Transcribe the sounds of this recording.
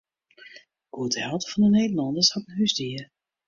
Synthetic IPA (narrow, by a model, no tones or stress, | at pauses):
ɡ̥uətəhɛlˠtəfɑndəneːdəlɑndəɹshɔdən̩ɦysdiər